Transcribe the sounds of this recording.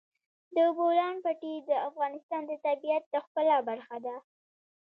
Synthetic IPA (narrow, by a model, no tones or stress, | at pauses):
d̪əbolɑnpaʈid̪əafɣɑnɪst̪ɑnd̪ət̪abijat̪̚d̪əxpəlabaɾxad̪a